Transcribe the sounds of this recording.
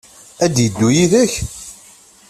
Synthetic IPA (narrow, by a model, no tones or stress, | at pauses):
æd̪jəd̪ːujiðæç